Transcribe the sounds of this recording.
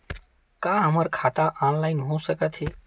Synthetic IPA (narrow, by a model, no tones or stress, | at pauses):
kaɦəməɾkʰat̪aʔɔnlainɦosəkət̪ɦe